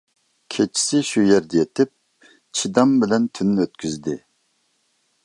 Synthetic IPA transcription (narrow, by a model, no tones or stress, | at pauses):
kʲʰet͡ʃʰi̥sɪʃujɛɾd̪ɛjet̪ʰɪp̚ | t͡ʃʰid̪ɑmbɪlɛnt̪ʰynːøt̪kʲyzd̪ɪ